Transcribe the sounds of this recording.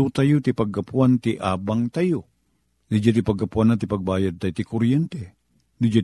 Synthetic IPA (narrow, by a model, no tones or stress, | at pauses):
ut̪ajut̪ipaɡːapuant̪iʔabaŋt̪aju | d̪id͡ʒat̪ipaɡapuanat̪ipaɡ̚bajad̪̚t̪ajut̪ikuɾjɛnt̪ɛ | d̪id͡ʒa